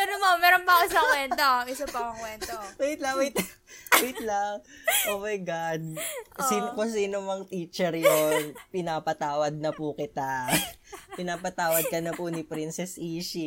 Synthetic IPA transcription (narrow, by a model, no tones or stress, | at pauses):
ɐnomomɛːɾonpɐʊsaŋkwɛnt̪oɛsɐpɐmɐŋkwɛnt̪owojɪt̪lɐwʊjt̪ | wjɪt̪̚laŋʔoːmɐjɡad̪̚siːnkos̬iːnomɐŋt̪iːt͡ʃɛɾjonpɪnaːpɐt̪aːwɐd̪̚nɐpʊkɪt̪a | pɪnaːpɐt̪aːwɐd̪̚kɐnɐpʊnɪpɾinsɛsʔiːʃi